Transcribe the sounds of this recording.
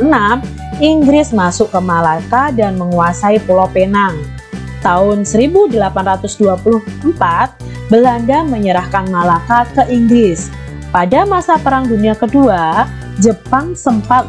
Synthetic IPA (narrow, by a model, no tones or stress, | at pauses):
ənam | iŋɡɾɪsmasʊʔkəmalakadanməŋuasaipulopenaŋ | t̪aʊnsəɾibudəlapanrat̪ʊsduapulʊhəmpat̪̚ | bəlandaməɲəɾahkanmalakakəʔiŋɡɾɪs | padamasapəɾaŋduniakədua | d͡ʒəpaŋsəmpat̪̚